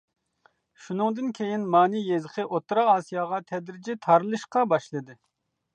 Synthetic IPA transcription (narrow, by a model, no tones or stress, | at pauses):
ʃunɨŋd̪ɨnkʲʰejinmɑːnijezɨqʰɨʔot̪ːɾɑɑːsijɑːʁɑt̪ʰɛd̪ɾɪd͡ʒɪt̪ʰɑɾɨlˠɨʃqɑbɑʃlˠɨd̪ɨ